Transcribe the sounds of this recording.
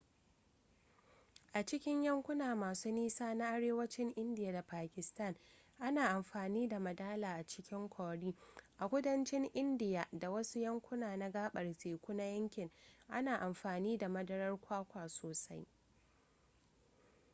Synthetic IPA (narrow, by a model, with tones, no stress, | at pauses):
ʔa˨t͡ʃɪ˦kʲɪ˦ɲjɐ˦ŋkʷʊ˦naː˨maː˨suː˦niː˦saː˦na˦ʔa˦ɽeː˦wɐ˦t͡ʃɪ˦ŋʔɪ˦ndɪ˨ja˨da˨paː˨kʲɪ˨stɐ˦˨n | ʔa˦naː˨ʔa˨mɸaː˨niː˦da˨mɐ˨daː˦laː˨ʔa˨t͡ʃɪ̥˦kʲɪ˦ŋkʷaː˨ɽiː˦ʔa˨kʷʊ˦dɐ˦nt͡ʃɪ˦ŋʔɪ˦ndɪ˨ja˨da˨wɐ˦su˦jɐ˦ŋkʷʊ˦naː˨na˦ɡaː˦ɓɐ˨rteː˨kʷʊ˦na˦jɐ˦ŋkʲɪ˨ŋʔa˦naː˨ʔa˨mɸaː˨niː˦da˨mɐ˦dɐ˦ɾɐ˦rkʷʰaː˦kʷaː˨soː˨sa˦j